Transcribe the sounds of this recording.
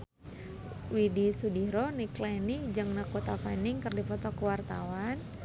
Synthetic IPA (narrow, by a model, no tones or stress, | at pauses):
widisudiɾoniklɛnid͡ʒɨŋnakot̪afaniŋkɨrdifɔt̪ɔkəwart̪a̰wan